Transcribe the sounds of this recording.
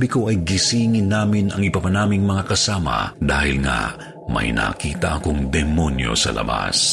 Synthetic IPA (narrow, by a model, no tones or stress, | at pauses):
bɪko̞ʔɐjɡɪsiːŋɪnːaːmɪnɐŋɪbapɐnaːmɪŋmɐŋakɐsaːmɐ̰d̪aːhɪlŋa̰ | mɐ̰jna̰ːkiːt̪ɐʔɐkoŋd̪ɛmonjo̞̰sɐ̰lɐ̰ba̰s